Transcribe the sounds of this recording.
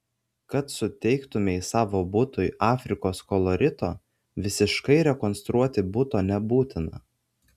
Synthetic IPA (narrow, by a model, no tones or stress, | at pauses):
kɐt̪sʊt̪ʲɛɪkt̪ʊmʲɛɪsɑːʋoːbʊt̪ʊjʔɑːfʲɾʲɪkoːskɔlˠɔɾʲɪt̪oː | ʋʲɪsʲɪʃkɐɪɾʲɛkɔnst̪ɾuɔt̪ʲɪbʊt̪oːnʲɛbuːt̪ʲɪnɐ̰